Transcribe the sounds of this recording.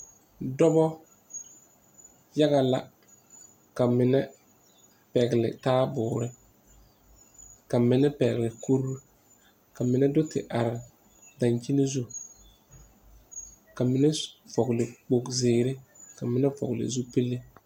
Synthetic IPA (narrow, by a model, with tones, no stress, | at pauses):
dɔ˦bɔ˦ | ja˦ɣa˨la̰˨ | ka˨mɪ˨nɛ˦ | pɛ˨ɡɪ˨lɪ̰˨taː˦bʊː˨ɾɪ˦ | ka˨mɪ˨nɛ˦pɛ˨ɡɪ˨lɪ˨kʰu˦ɾu˦ | ka˨mɪ˨nɛ˦dʊ˦tɪ̰˨ʔa˨ɾɪ˨ | da˨ɲt͡ʃi˦ni˦zu˦ | ka˨mɪ˨nɛ˦fɔ˨ɡlɪ˨k͡po˨kzɪː˨ɾɪ˦ka˨mɪ˨nɛ˦fɔ̰˨ɡlɪ̰˨zu˦pe˦lːe˦